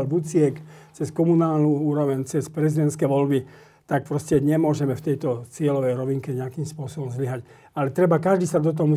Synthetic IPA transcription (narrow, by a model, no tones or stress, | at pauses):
lʋut͡sɪɛkt͡sɛskɔmunaːlnuuːɾɔʋɛɲt͡sɛspɾɛzid̪ɛnt̪skɛʋɔlbi | t̪ak̚pɾɔscɛɲɛmʊɔʒɛmɛft̪ɛjt̪ɔt͡sɪɛlɔʋɛjɾɔʋiŋkɛɲɛakimspʊɔsɔbɔmzliɦac | alɛt̪ɾɛbakaʒd̪iːsad̪ɔt̪̬ɔɦɔmu